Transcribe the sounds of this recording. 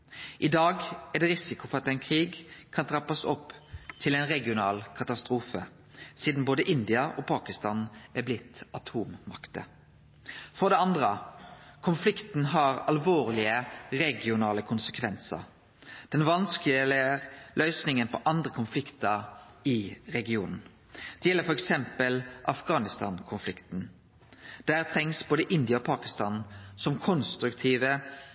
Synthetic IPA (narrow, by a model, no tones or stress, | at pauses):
ʔɪd̪ɑːɡæd̪ɛːɾɪsɪkʊfɔʁɑt̪ɛɪnkʰɾiːɡkʰɑnt̪ʰʁɑpːɑsɔpːt̪ʰɪlɛɪnʁɛɡɪʊnɑ̰ːlkʰɑt̪ɑst̪ɾuːfə̰ | siːd̪n̩boːd̪əʔɪnd̪ɪɑʔopʰɑːkɪst̪ɑːnʔæblɪt̪ːɑt̪ʰuːmmɑ̰kt̪ə̰ | fɔʁd̪ɛɑnd̪ɾəkʰʊnflɪkt̪n̩ɦɑʁɑlʋoːʁlɪəɾɛɡɪʊnɑːləkʰʊnsəkʰʋɛnsə̰ɾ | d̪̥ɛnʋɑnskɪlɪəlʔœʏsnɪŋənpʰɔʔɑnd̪ɾəkʰʊnflɪkt̪əʁɪʁɛɡɪuːnn̩ | d̪̥ɛjɛlːəɾfɔɾɛksɛmpəlʔɑfɡɑːnɪst̪ɑ̰ːnkʰʊnflɪkt̪n̩ | d̪̥æːʁt̪ʰɾɛŋsboːd̪əʔɪnd̪ɪəoːpʰɑːkɪst̪ɑːnsɔmkʰɔnst̪ɾʉkt̪ʰiːʋə